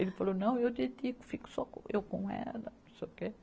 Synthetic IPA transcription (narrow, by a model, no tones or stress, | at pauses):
elɪfalonɐ̃w̃ewd̪ed̪ikʊ̥fikʊ̥sɔkõ̰ʔewkõɛ̰lɐnũseuke